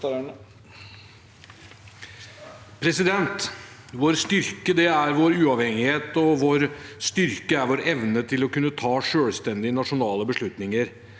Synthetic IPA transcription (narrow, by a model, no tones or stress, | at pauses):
pʰɾɛsɪd̪ɛnt̪ | ʋoːɾst̪ʏɾkəd̪ɛæɾʋoːɾʉːɑʋhɛŋɪheːt̪ɔʋoːɾst̪ʏɾkəæɾʋoːɾɛʋnət̪ʰɪlɔkʉnːət̪ʰɑːʂøːlst̪ɛnd̪ɪənɑʂʊnɑːləbəʂɭʉt̪nɪŋəɾ